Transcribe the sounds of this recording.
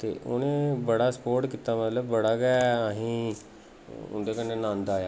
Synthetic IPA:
t̪ḛːʔonẽːbəɽaːsə̥poːɾʈkiːt̪aːmət̪ləbːəɽaːɡɛːəɦĩː | ʊ̰nd̪eːkənːeːnãːnd̪aːjaː

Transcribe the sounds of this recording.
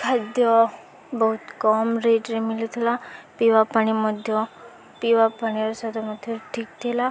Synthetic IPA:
kʰad̪jɔ | bɔɦut̪kɔmɾeʈɾimilit̪ʰilapiʋapaɳ̃imɔd̪ʱjɔ | piʋapañiɔɾsad̪ɔmɔd̪ʱiʈʰiːk̚t̪ʰela

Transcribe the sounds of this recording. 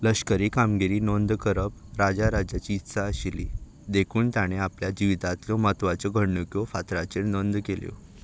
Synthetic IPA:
ləɕkəɾiːkamɡiɾiːnond̪kəɾəpɾad͡zaɾad͡ʑat͡ɕiːt̪saəɕilḭ | d̪ekʰuːnt̪jaɽ̃eapljad͡ʑiʋit̪at̪ljɔmət̪ʋat͡sɔɡʱəɳːukjofat̪ɾat͡ɕeɾnond̪keljo̰

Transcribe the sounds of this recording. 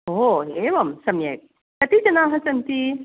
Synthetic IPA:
ɦoɦeʋɐmsɐmjɐ̰jk̚ | t̪ɐt̪id͡ʒɐnaːɦɐsɐnt̪i

